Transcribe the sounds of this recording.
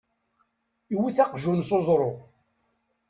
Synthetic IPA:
iwiθɑqʒunsozˤɾˤo

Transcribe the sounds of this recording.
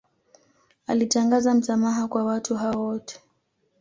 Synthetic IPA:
alitaŋɡazam̩samaɦakwawatuɦaɔwɔtʰɛ̥

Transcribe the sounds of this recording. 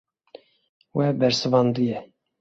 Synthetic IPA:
wɛbɛɾsɨvɑnd̪ɨjɛ

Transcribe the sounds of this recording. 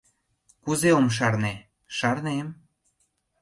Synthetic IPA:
kuzeomʃ̬ɑrne | ʃɑrnem

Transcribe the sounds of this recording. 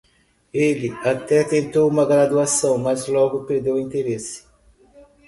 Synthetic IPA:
elɪat̪ɛt̪ẽnt̪owũmɐɡɾad̪uasɐ̃w̃mɐzlɔɡʊpeɾd̪ewĩnt̪eɾesɪ̥

